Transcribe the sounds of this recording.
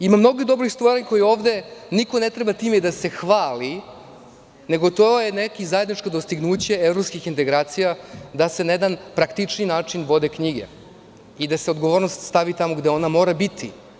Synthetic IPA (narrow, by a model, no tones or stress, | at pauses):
imamno̞ɡod̪o̞bɾixst̪vaɾeɲko̞jio̞ːvd̪e̞niko̞ne̞t̪ɾebat̪iːmed̪ase̞xʋaːli | ne̞ɡo̞t̪ojenekizaje̞d̪nit͡ʃkod̪o̞st̪iɡnuːt͡ɕe̞evɾopskixint̪e̞ɡɾaːt̪sijad̪ase̞najed̪anpɾakt̪it͡ʂninaːt͡ʂinʋo̞d̪ekɲiɡḛ | id̪aseo̞d̪ɡoʋo̞ːɾnost̪st̪aʋit̪amoɡd̪e̞o̞namo̞ːɾabit̪ʰi